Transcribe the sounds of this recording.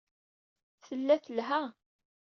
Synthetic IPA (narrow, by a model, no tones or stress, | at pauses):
θəlːæθəlɦæ